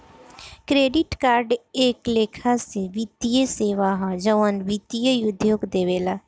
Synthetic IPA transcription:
kɾeːɖɪʈkaːɾɖeːkleːkʰaseʋɪt̪ijəseːʋaɦad͡ʒəʋənʋɪt̪ijəjʊd̪ʱjoːɡd̪eːʋeːlaː

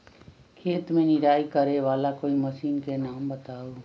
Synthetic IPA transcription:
kʰeːt̪mẽnɪɾaːikəɾeʋaːlakoːiməsiːnkenaːmbət̪aːoː

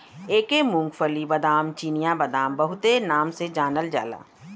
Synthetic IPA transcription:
eːkemʊ̃ŋɡfəlibɐd̪aːmt͡ʃiːnijabɐd̪aːmbɐɦʊt̪enaːmsed͡ʒaːnəld͡ʒa̰ːla̰ː

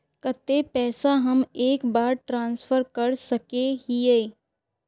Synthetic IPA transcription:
kət̪epɛːsaɦɐmeːkbaːɾʈɾãːnsfʰəɾkəɾsɐkeɦieː

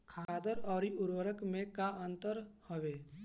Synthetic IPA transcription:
kʰaːd̪əɾɔːɾiʔʊɾwəɾəkmẽkaə̃nt̪əɾhəʋeː

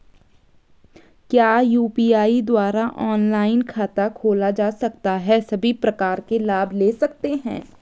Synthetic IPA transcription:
kjaːjuːpiːaːid̪waːɾaʔɔːnlaːɪnkʰaːt̪akʰoːlad͡ʒaːsɐk̚t̪aɦɛsɐbʱipɾɐkaːɾkelaːbʱleːsɐk̚t̪eɦɛ̰̃ː

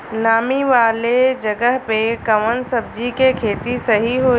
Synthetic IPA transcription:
naːmiʋaːled͡ʑɐɡəɦpekɐʋənsɐb̚d͡ʑikekʰeːt̪isɐɦiɦoː

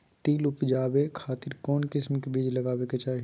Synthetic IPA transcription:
t̪iːlʊpd͡ʒaːbekʰaːt̪ɪɾkɔːnkɪsmkebiːd͡ʒlɐɡaːweket͡ʃaːɦi

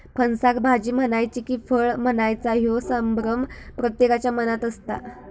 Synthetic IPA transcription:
pʰənsakbʱad͡ʑiːm̤ənajt͡ɕikiːfəɭm̤ənajt͡saɦjosəmbɾəmpɾət̪jekat͡ɕjamənat̪əst̪a̰

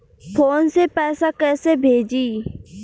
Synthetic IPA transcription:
pʰoːnsepɛːsakɛːsebʱeːd͡ʒiː

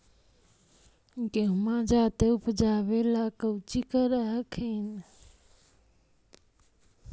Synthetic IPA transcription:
ɡeɦmãd͡ʒat̪eupd͡ʒaβelakəwt͡ʃikəɾəɦəkin

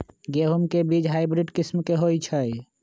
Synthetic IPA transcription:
ɡeɦumkebid͡ʒɦaɪbɾiɖkismkeɦojt͡ʃʰəj

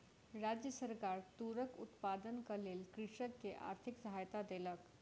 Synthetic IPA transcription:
ɾad͡ʒjəsəɾkaːɾt̪uɾəkʊt̪pad̪ənkəleːlkɾɪʃəkːeʔa̰ɾt̪ʰɪksəɦajt̪ad̪eːlək

